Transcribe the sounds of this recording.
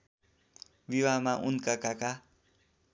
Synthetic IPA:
biwamaʔunkakaka

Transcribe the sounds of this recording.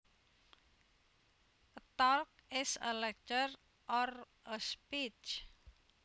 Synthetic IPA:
t̪ɔlk̚ɪsə̰lɛk̚t͡ʃər | ʔɔr | əspit͡ʃ

